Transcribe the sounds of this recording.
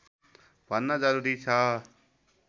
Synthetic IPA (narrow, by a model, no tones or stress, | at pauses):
bʱʌnːʌd͡zʌɾuɾit͡sʰʌ